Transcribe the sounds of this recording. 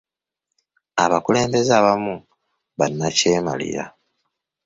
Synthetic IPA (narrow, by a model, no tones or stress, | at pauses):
aβakule̞ːmbe̞zaβamu | βanːace̞ːma̰lḭɾa̰